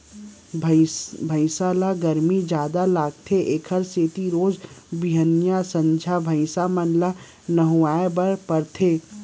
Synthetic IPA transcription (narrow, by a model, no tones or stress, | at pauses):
bʱəɪsaːlaɡɐɾmid͡ʒjaːd̪alaːɡt̪ʰeʔeːkʰəɾseːt̪iɾoːd͡ʒbiɦənjasə̃ɲd͡ʒʱabʱəɪsamənla | nɐɦuaːebɐɾpɐɾt̪ʰeː